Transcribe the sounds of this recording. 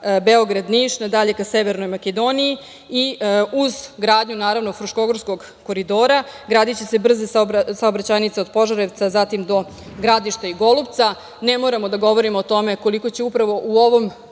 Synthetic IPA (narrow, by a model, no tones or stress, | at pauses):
beoɡɾad̪niʃnad̪aʎe̞kaseʋeɾnojmaked̪o̞niji | iuzɡɾaːd̪ɲunaːɾaʋno̞fɾuʃko̞ɡoɾsko̞ɡ | ko̞ɾid̪o̞ːɾaɡɾaːd̪it͡ɕe̞se̞br̩zessaobɾat͡ɕanit̪seod̪̚po̞ʒaɾeʋt̪sazat̪imd̪o̞ | ɡɾad̪iʃt̪aiɡo̞lupt̪sa | nemo̞ːɾamo̞d̪aɡo̞ʋo̞ɾimoːt̪o̞me̞ko̞liko̞t͡ɕeupɾaʋo̞ʔuo̞ʋo̞m